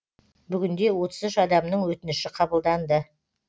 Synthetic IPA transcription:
bʏɡʲɪnd̪e̞wo̞t̪əzɪʃɑd̪ɑmnəɴwɵt̪ɪnɪʃɪqʰɑbəlˠd̪ɑnd̪ə

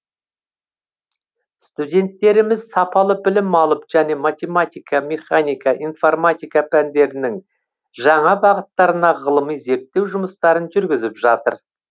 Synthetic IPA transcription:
st̪ud̪ʲe̞nt̪ːe̞ɾɪmɪzsɑpɑlˠəbɪlɪmɑlˠəpʒ̥æne̞mat̪ʲe̞mat̪ʲijkɑmʲe̞χanʲijkɑʔijnformat̪ʲijkapʰænd̪e̞ɾɪnɪŋ | ʒɑɴɑbɑʁət̪ːɑɾənɑʁəlˠəmijze̞ɾp̚t̪ːe̞wʒʊməst̪ɑɾənʒʏɾɡʲɪzɪpʒɑt̪ə̰ɾ

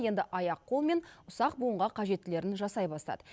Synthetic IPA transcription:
je̞nd̪ɪʔɑjɑqʰːo̞lˠme̞nʊsɑq̚buəɴʁɑqʰɑʒe̞t̪ːɪle̞ɾɪnʒɑsɑjbɑst̪ɑ̰d̪ə

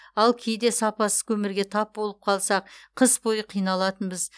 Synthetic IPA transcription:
ɑlˠkʲʰejd̪e̞sɑpɑsə̥kʲʰɵmɪɾɡʲe̞t̪ʰɑp̚bo̞lˠəp̚qʰɑlˠsɑqqʰəsbo̞jəqʰijnɑlˠɑt̪ənbəz

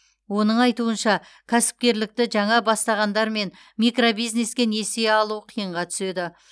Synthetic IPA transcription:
wo̞nəɴɑjt̪uənʃɑ | kʲʰæsɪ̥p̚kʲe̞ɾlɪk̚t̪ɪʒɑɴɑbɑst̪ɑʁɑnd̪ɑɾme̞n | mikro̞bijzne̞skʲe̞ne̞seɑlˠuəqʰijəɴʁɑt̪ʰʏ̥se̞d̪ɪ

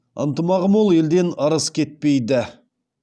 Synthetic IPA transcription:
ə̰nt̪əmɑʁəmwolˠje̞ld̪e̞nɑɾəskʲʰe̞t̪̚pe̞jd̪ɪ

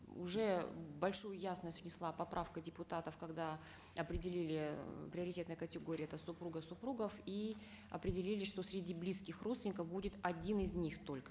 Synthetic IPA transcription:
ʊ̰ʐɛbɐlʲʂujʊjasnəsʲtʲvnʲɪslˠapɐpɾʔafkədʲɪpʊt̪at̪əfkɐɡd̪a | ɐpɾʲɪdʲɪlʲilʲɪpɾʲɪəɾɪtʲet̪nəjəkətʲɪɡoɾʲɪjɛt̪əsʊpɾuɡəsʊpɾuɡəfi | ɐ̰pɾʲɪdʲɪlʲilʲɪʂt̪o̞sʲɾʲɪdʲiblʲiskʲɪxrot̪vʲɪnʲɪkəfbudʲɪt̪ɐdʲinɪzʲnʲixt̪olʲkə̥

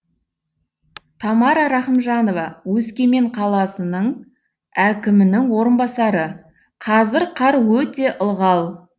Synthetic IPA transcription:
t̪ʰɑmɑɾɑɾɑχəmʒɑno̞vɑwɵskʲe̞me̞ɴqʰɑlˠɑsənəɴ | ækʲɪmɪnɪŋwo̞ɾənbɑsɑɾə | qʰɑzɪɾqʰɑɾwɵt̪e̞ʔəlˠʁɑlˠ

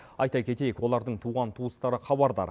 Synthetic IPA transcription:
ɑjt̪ɑkʲʰe̞t̪e̞jekwo̞lˠɑɾd̪əɴt̪ʰuʁɑnt̪ʰuəst̪ɑɾəχɑbɑɾd̪ɑ̰ɾ

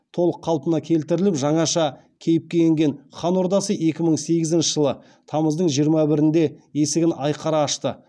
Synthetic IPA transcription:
t̪ʰo̞lˠəqʰːɑlˠpənɑkʲʰe̞lt̪ɪɾɪlɪpʒɑɴɑʃɑ | kʲʰe̞jɪp̚kʲe̞jeŋɡʲe̞nχɑnwo̞ɾd̪ɑsəe̞kʲɪməɴse̞ɡʲɪzɪnʃɪʒəlˠə | t̪ʰɑməzd̪əɴʒijəɾmɑbɪɾɪnd̪e̞je̞sɪɡʲɪnɑjqʰɑɾɑːʃt̪ə

